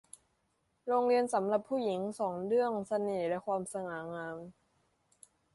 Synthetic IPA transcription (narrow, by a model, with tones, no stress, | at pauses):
ɾoː˧ŋɾi˧ənsa˩˦mla˨˩pʰːuː˥˩ji˩˦ŋsɔː˩˦ŋlɯ˥˩əŋsa˧niː˨˩lɛ˦˥kʰwaː˧msa˧ŋaː˩˦ŋaː˧m